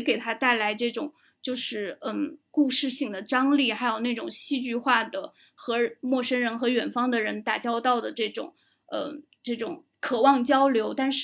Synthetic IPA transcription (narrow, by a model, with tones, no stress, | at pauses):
ke˨˩ɪt̪ʰa˥t̪a˥˩ɪla˧˥ɪʈ͡ʂɤ˥˩ʈ͡ʂʊ˨˩˦ŋ | t͡ɕjo˥˧ʊʂɻ̩˥˩ə˥˩ku˥˧ʂɻ̩˥˧ɕi˥˩ŋd̪ə˩ʈ͡ʂɑ˥ŋli˥˩xa˧˥ɪjo˨˩ʊna˥˩ʈ͡ʂʊ˨˩ŋɕi˥t͡ɕy˥˧xwa˥˩d̪ə˩ | xɤ˧˥mwɔ˥˩ʂə˥nɻə˧˥nxɤ˧˥ɥɛ˨˩nfɑ˥ŋd̪ə˨ɻə˧˥nt̪a˥˩t͡ɕjɑ˥ʊt̪ɑ˥˩ʊd̪ə˩ʈ͡ʂɤ˥˩ʈ͡ʂʊ̰˨˩˦ŋ | ə˧˩ | ʈ͡ʂɤ˥˩ʈ͡ʂʊ˨˩˦ŋ | kʰɤ˨˩wɑ˥˩ŋt͡ɕjɑ˥ʊljo˧˥ʊt̪a˥˧nʂ